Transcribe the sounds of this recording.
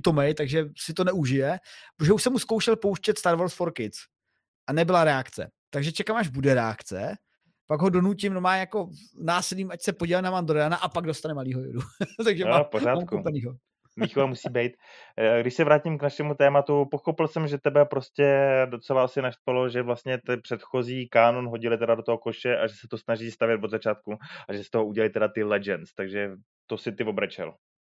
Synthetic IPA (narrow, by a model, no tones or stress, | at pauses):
t̪omɛjt̪aɡʒɛsɪt̪o̞nɛʔuʒɪjɛʒɛuʃsɛmuskowʃɛlpowʃcɛt̪st̪aɾvoɾsfoɾkɪt͡s | ʔanɛbɪlaɾɛakt͡sɛ̰ | t̪aɡʒɛt͡ʃɛkamaʒbudɛɾɛa̰kt͡sɛ̰ | paɡɦo̞do̞nucɪmnomaːjako̞naːsɪliːmʔacsɛpoɟilɛnamand̪ɾɛanaʔapaɡdo̞st̪anɛmaliːɦojʊ̰dut̪aɡʒɛapoɾaːamkuopɛniːɦo | viːxovamusiːbɛjt̪ | ɡdɪʃsɛvɾaːcimknaʃɛmut̪ɛːmat̪upo̞xopɪlsɛmʒɛt̪ɛbɛpɾo̞scɛdo̞t͡sɛlaasɪnaʃt̪valo̞ʒɛvlast̪ɲɛt̪ɛpr̥ɛt̪xo̞ziːkaːno̞nɦo̞ɟɪlɪt̪ɛdadot̪oɦokoʃɛʔaʒɛsɛt̪o̞snaʒiːst̪avjɛt̪vodzat͡ʃaːt̪̚kuʔaʒɛst̪oɦoʔuɟɛlalɪt̪ɛdat̪ɪlɛd͡ʒɛnt͡st̪aɡʒɛ | t̪o̞sɪt̪ɪvobɾɛt͡ʃɛ̰l